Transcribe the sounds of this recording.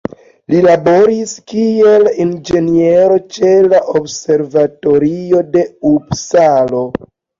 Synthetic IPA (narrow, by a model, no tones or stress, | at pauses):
lilabo̞ɾiskie̞lind͡ʒe̞nieɾo̞t͡ʃe̞laʔobse̞ɾvato̞ɾio̞de̞ubsalo̞